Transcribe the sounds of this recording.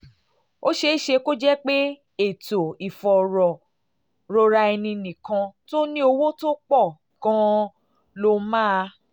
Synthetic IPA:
o˦ʃe˧i˦ʃe˧ko˦d͡ʒɛ˦k͡pe˦ | e˦˨to˨i˨fɔ˨ɾɔ˨ | ɾo˧ɾa˧ɛ˧nĩ˧nĩ˨kã˧to˦nĩ˦o˧wo˦to˦k͡pɔ˦˨ | kã˧ | lo˧mãː˦˧

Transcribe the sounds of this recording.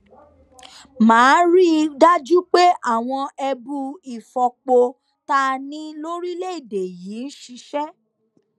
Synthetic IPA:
mãː˨˦ɾi˦da˦d͡ʒu˦k͡pe˦ʔa˦˨w̃ɔ̃˧ɛ˧bu˧i˨fɔ˨k͡po˧ | ta˦nĩ˦lo˦ɾi˦le˦i˦˨de˨jiː˨˦n̩˦ʃi˧ʃɛ˦

